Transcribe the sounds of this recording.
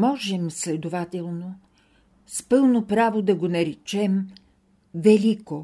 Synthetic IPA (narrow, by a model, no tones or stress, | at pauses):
mɔʒɛmslɛd̪ovat̪ɛlˠno | spɤlˠnopɾavod̪ɐɡonɐɾɛt͡ʃɛm | vɛlʲiko